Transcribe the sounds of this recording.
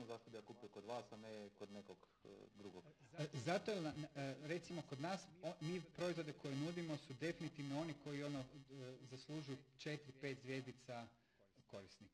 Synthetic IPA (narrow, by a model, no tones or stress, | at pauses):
ozaːst̪od̪ijakuːpijokod̪ʋaːsanekod̪nekoɡ̰ | d̪ɾuɡoɡzat̪ojelnanɾe̞t̪simoko̞d̪naːsomiːpɾo̞izʋo̞d̪eko̞jenud̪imo̞sud̪e̞finit̪iʋnoo̞niko̞jio̞nozaslˠuːʒujut͡ʃe̞t̪ɾipet̪zʋje̞zd̪it̪sa | ko̞ɾisnik